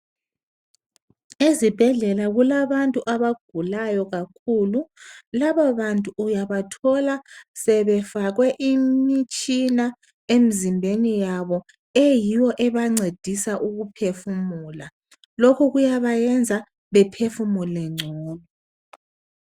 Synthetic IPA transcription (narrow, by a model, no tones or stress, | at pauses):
ezib̥ʱɛɮɛlaɣulaβantʼuʔaβaɡ̥ʱulajɔɣakʰululaβaβantʼuːjaβatʰɔlasɛβɛfaɣwɛʔimmit͡ʃʼina | em̩zimbʱenijaβɔ | ɛjiwɔʔɛβaŋ͡ǀed̥ʱisaʔuɣupʰefumuːla | lokʰuɣujaβajɛnd͡zʱa | βɛpʰefumulɛŋ͡ǀʱɔːlɔ